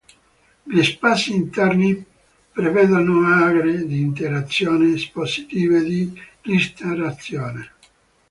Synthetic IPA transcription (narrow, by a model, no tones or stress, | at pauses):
ʎespaːsiːnt̪ɛrni | pɾevɛːd̪onoaɡɾed̪iːnt̪eɾat̪sːjɔːnesposi̥t̪iːved̪irist̪aɾat̪sjoːne